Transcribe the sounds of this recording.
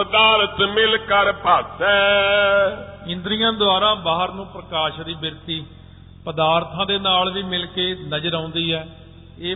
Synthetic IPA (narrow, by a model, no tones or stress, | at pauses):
pəd̪aːɾət̪mɪlkəɾpət̪ɛː | ɪ̃nd̪ɾijãːd̪oaːɾaːbaːɦəɾnũːpɾəkaːʃd̪iːbɪɾt̪iː | pəd̪aːɾt̪ʰãːd̪eːnaːlʋiːmɪlkeːnəd͡ʒəɾãːnd̪iːɦɛː | eː